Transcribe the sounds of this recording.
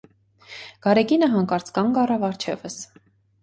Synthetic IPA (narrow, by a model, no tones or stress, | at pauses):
ɡ̥ɑɾɛkinəɦɑŋkɑɾt͡skɑnɡɑrɑvɑɾt͡ʃʰɛ̰vəs